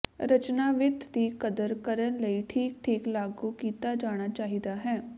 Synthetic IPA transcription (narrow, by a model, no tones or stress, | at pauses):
ɾət͡ʃnaːʋɪt̪d̪iːkəd̪əɾkəɾənləiːʈʰiːk̚ʈʰiːklaːɡuːkiːt̪aːd͡ʒaːɽ̃aːt͡ʃaːɦid̪aːɦɛː